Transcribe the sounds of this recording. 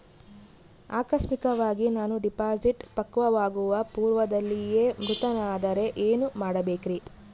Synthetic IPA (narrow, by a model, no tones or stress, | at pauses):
aːkɾɐʃmikɐʋaːɡinaːnuɖipaːd͡ʒiʈpɐkːʋɐʋaːɡuʋɐpuːɾʋɐd̪ɐlːije̞ːmɾut̪ɐnaːd̪ɐɾe̞ʔeːnumaːɽɐbe̞ːkiɾi